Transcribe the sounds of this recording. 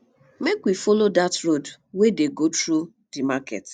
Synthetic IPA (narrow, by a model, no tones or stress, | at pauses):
mekwifɔlodatɾod | wedeɡotɾu | dimakɛ̰t